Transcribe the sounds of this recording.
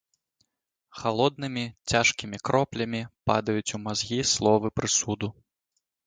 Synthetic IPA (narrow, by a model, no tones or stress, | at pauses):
xalˠɔd̪nɨmʲit͡sʲaʂkʲimʲikɾɔplʲɐmʲipad̪ɐjut͡sʲumazɣʲislˠɔvɨpɾɨsud̪u